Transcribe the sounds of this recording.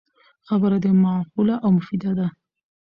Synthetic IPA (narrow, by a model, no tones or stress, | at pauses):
xabəɾad̪əmɑhulaʔawmʊfid̪ad̪a